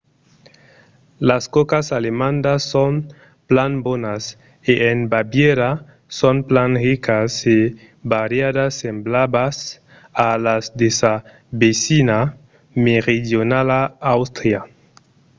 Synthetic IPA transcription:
laskokasalemãnd̪asːon | planbonas | eʔenbabjeɾa | sonplaŋrikase | baɾjadasːemblabas | alazd̪esa | besina | meɾidjonalaawst̪ɾja

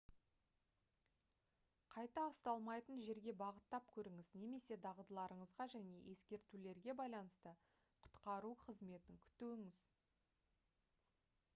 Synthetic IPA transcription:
qʰɑjt̪ɑːst̪ɑlˠmɑjt̪ənʒe̞ɾɡʲe̞bɑʁət̪ːɑp̚kʲʰɵɾɪŋɪzneme̞se̞d̪ɑʁəd̪əlˠɑɾəɴəzʁɑʒæne̞̰jʔe̞skʲe̞ɾt̪ule̞ɾɡʲe̞bɑjlˠɑnəst̪ə | qʰʊ̥t̪qɑɾuqʰəzme̞t̪ɪŋkʲʰʏ̥t̪uɪŋɪz

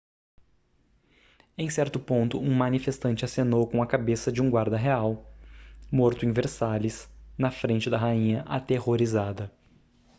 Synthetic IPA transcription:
ẽj̃sɛɾt̪ʊpõnt̪ʊũmɐ̃nifest̪ɐ̃nt͡ʃɪasenowkõw̃ɐkabesɐd͡ʒɪũɡwaɾd̪ɐɦeaw | moɾt̪ʊẽveɾsalɪsnɐfɾẽnt͡ʃɪd̪ɐɦaĩɲɐʔa̰t̪ehoɾizad̪ɐ

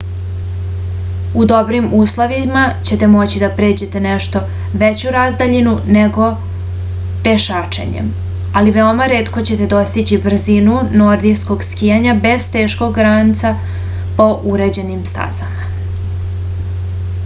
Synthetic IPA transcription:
ud̪o̞bɾimuːslˠoʋimat͡ɕe̞t̪e̞mo̞t͡ɕid̪apɾe̞ːd͡ʑe̞t̪e̞neʃt̪o̞ | ʋet͡ɕuɾazd̪aʎinuneɡo̞ | p̪e̞ʃaːt͡ʃḛɲḛm | aliʋe̞omaɾe̞ːt̪ko̞t͡ɕe̞t̪e̞d̪o̞st̪it͡ɕibr̩zinunoɾd̪isko̞ɡskijaɲabe̞zt̪e̞ːʃko̞ɡɾant̪sa | po̞ʔuɾe̞d͡ʑe̞nimst̪a̰zama

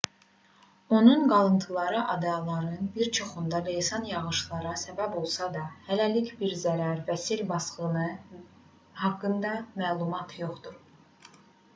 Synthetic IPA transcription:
o̞nunɡɑlˠɯnt̪ʰɯlˠɑɾɯʔɑd̪ɑlˠɑɾɯnbiɾt͡ʃʰo̞χund̪ɑlejsɑnjɑɣɯʃlˠɑɾɑsæbæbo̞lˠsɑd̪ɑhælælicbiɾzæɾæɾvæsilbɑsχɯnɯ | hɑkːɯnd̪ɑmæːlˠumɑt̪ʰjo̞χd̪uɾ

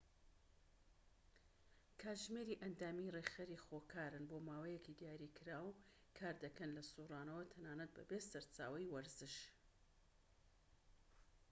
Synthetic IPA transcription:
kʰaːʒmeɾiʔɐnd̪aːmireχeɾixoːkʰaːɾɨnboːmaːwɐjekʰid̪ijaːɾikʰɨɾaːw | kʰaːɾd̪ɐkɐnlɐsuːrɑːnɐwɐt̪ʰɐnaːnɐt̪̚bɐ̰besɐɾt͡sa̰ːwɐjwɐɾzɨʃ

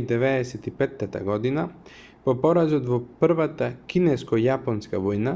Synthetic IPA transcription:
d̪ɛvɛɛsɛt̪ipɛt̪ːat̪a̰ɡɔd̪ina | pɔpɔɾazɔt̪vɔpr̩vat̪akinɛskɔjapɔnskavɔjna

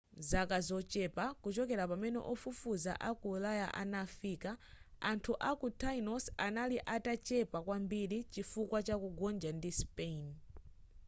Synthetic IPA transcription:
zakazɔt͡ʃɛpakut͡ʃɔkɛɾapamɛnɛ̰ʔɔfufuza̰ʔakulajaʔanafiːkaantʰuʔakutʰainɔsanaliʔatat͡ʃɛpakwambiɾit͡ʃifukwat͡ʃakuɡɔnd͡ʒandispein

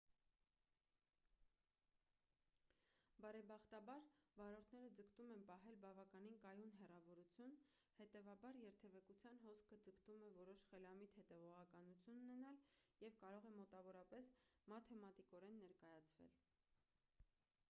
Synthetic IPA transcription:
bɑɾɛbɑχt̪ɑbɑɾvɑɾɔɾt̪ʰnɛɾəd͡zəkt̪umɛnpɑɦɛlbɑvɑkɑninkɑjunɦɛrɑvɔɾut͡sʰjun | hɛt̪ɛvɑbɑɾjɛɾt̪ʰɛvɛkut͡sʰjɑnɦɔskʰəd͡zəkt̪umɛvɔɾɔʃχɛlɑmit̪hɛt̪ɛvɔʁɑkɑnut͡sʰjununɛnɑljɛvkɑɾɔʁɛmɔt̪ɑvɔɾɑpɛsmɑt̪ʰɛmɑt̪ikɔɾɛnːɛɾkɑjɑt͡sʰvɛ̰l

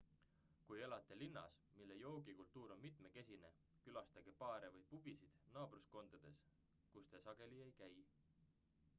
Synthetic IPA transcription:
kuje̞lɑt̪ːˑelinːɑ̰smilːe̞jo̞ːɡikult̪ːˑuːɾo̞nmit̪ˑmeke̞sʲine̞ | kylɑst̪ɑɡ̥epɑːɾevɤjpub̥isid̪̥nɑːb̥rusko̞nd̪̥ɑd̪̥e̞s | kust̪e̞sɑɡ̥e̞lie̞jkæj

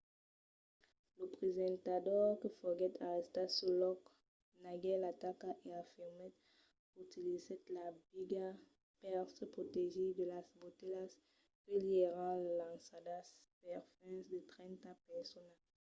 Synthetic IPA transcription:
ləpχezɑ̃nt̪adɔʁkəfɔɡɛt̪ʰaʁɛst̪asulɔk | naɡɛlat̪akaʔeafiʁmɛt̪ | kut̪ilizɛt̪labiɡa | pɛʁtəpʁot̪eʒed̪əlasbot̪elas | kiljeʁãlãsadaspɛʁfɛ̃nsd̪ət̪ʁɛ̃nt̪apɛʁsɔna

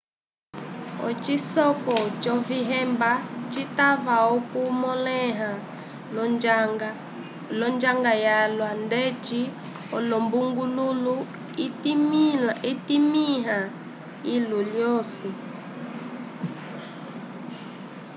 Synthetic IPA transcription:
ɔ̰t͡ʃisɔkɔt͡ʃɔviɦɛmbat͡ʃitavaɔkumɔlɛɦa | lɔnd͡ʒaŋɡajalwandɛt͡ʃi | ɔlɔmbuŋɡululu | iitimiɦa | iluljɔsi

